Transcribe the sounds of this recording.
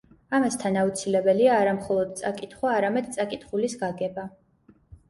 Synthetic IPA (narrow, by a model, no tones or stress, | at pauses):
amast̪ʰanaut̪sʰilɛbɛliaːɾamχɔlˠɔd̪̚t̪sʼakʼit̪ʰχwaːɾamɛd̪̚t̪sʼakʼit̪χulisɡaɡɛba